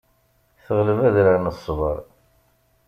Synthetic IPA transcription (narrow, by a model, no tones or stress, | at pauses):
θəʁləvæðɾəɾnəsˤːvəɾˤ